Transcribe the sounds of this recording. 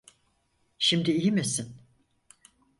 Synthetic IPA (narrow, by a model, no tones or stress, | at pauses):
ʃimd̪iijimesin